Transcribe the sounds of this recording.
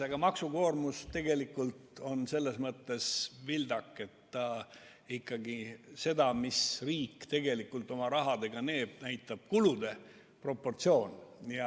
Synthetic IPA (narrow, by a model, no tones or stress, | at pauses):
eɡ̥ɑmɑksuko̞ːrmust̪e̞ɡe̞likːˑult̪o̞nse̞lːe̞smɤt̪ːe̞svild̪ɑkːˑe̞t̪ːɑ | ikˑːɑɡise̞d̪ɑmisriːkːt̪e̞ɡe̞likːˑult̪ːˑo̞mɑɾɑɦɑd̪̥e̞ɡ̥ɑne̞ːb̥̚næjt̪ːˑɑb̥̚kulud̪e̞ | pro̞pːo̞rt̪sio̞ːnjɑ